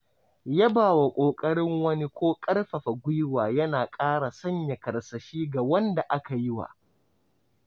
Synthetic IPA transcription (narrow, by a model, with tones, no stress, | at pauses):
ja˦baː˨wa˨kʷʼoː˨kʼɐ˦ɽɪ˦ŋwɐ˦ni˦kʷoː˦kʼɐ˦rɸɐ˨ɸa˨ɡʷʊ˦jwaː˨jɐ˦naː˨kʼaː˦ɽa˨sɐ˦ɲja˨kɐ˨ɽsɐ˨ʃiː˦ɡa˨wɐ˦nda˨ʔa˦ka˨ji˦wa̰˨